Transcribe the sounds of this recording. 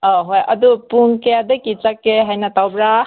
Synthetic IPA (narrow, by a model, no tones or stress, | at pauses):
ɔɦojɐ̰dupuŋkejadakit͡ʃakːeɦajnatawbɾa